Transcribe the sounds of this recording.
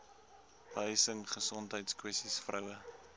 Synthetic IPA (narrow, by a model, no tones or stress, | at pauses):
b̥əəjsəŋχəsɔntɦəjtskwɛstisfrəwə